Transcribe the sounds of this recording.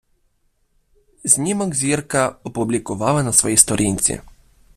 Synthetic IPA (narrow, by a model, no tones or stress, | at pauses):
znʲimɔɡzʲiɾkaɔpublʲikʊʋaʋanasʋɔjist̪ɔɾʔinʲt̪sʲḭ